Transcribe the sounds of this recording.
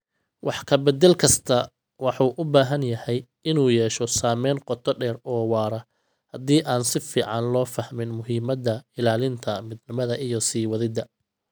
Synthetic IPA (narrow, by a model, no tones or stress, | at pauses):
wɑħkʰɐbɛd̪ɛlkʰɐst̪ʰɐ | wɑħuːʔʊbaːɦɐnjɐhɛj | ɪnuːjɛːʃɔsaːmɛːnqɔt̪ʰɔɖɛːrɔːwɑːɾɐ | hɐd̪iːʔaːnsɪfiːʕɑnlɔːfɐhmɪnmʊɦiːmɐd̪ɐɪlaːlɪnt̪ʰɐmɪd̪nɪmɐðɐʔɪjɔsiːwɐðɪd̪ɐ